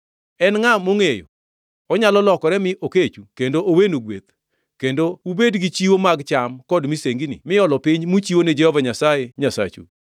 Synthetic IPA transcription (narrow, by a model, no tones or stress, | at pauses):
ɛnŋamoŋejo̰ | ɔɲalɔlɔkɔɾɛmɪʔoket͡ʃukendoʔowenuɡwet̪ | kendoubedɡit͡ʃiwomaɡt͡ʃamkɔdmiseŋɡinɪ̰mɪjɔlɔpiɲmut͡ʃiwonɛd͡ʒɛhɔvaɲasajeɲasa̰t͡ʃṵ